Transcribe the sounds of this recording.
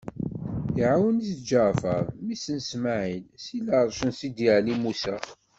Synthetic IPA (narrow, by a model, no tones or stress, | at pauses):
θʕawənisd͡ʒəʁfə̰ɾˤmisənsmaʕilsiləɾˤʃənsid̪iʕlimusæ